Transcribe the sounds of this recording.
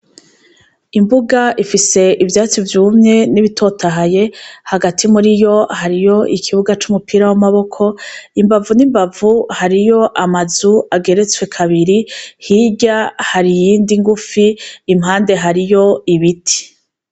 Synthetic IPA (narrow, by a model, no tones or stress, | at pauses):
imbuɡaifise̞ʔivjaːt͡sivjuːmɲe̞niβitʰo̞tʰaɦaje̞haɡatʰimuɾijo̞haɾijo̞ʔikʰiβuɡat͡ʃumupʰiːɾawamaβo̞kʰo̞imbavunimbavuhaɾijo̞ʔamazuaɡe̞ɾe̞t͡swe̞kʰaβiɾihiɟahaɾijiːndiŋɡufiːmɦaːnde̞ɦaɾijo̞iβitʰi̥